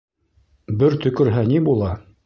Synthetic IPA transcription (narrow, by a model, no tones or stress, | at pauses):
bɘɾt̪ɵ̆kɵ̆ɾɦænibulˠɑ